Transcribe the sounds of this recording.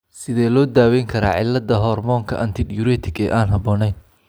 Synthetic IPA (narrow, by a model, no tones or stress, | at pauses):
sɪðɛːlɔːd̪aːwɛjŋkʰɐɾa̰ːʕɪlːɐd̪ɐɦɔːrmɔːŋkʰɐʔɐnt̪ʰɪd̪juɾɛːt̪ʰɪɡɛːʔaːnɦɐbɔːnɛjn